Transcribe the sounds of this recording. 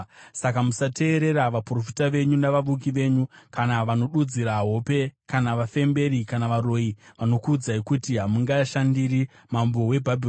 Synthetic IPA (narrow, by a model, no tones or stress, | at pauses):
sakamusate̞ːɾe̞ɾaʋapro̞fi̥taʋe̞ɲunaʋaʋuk̬iʋe̞ːɲukanaʋano̞ɗud͡ziɾaɦo̞pe̞kanaʋafe̞mbe̞ɾikanaʋaro̞iʋano̞kuːd͡zaikutiɦamuŋɡajaʃandiri | mambo̞we̞bʱabʱir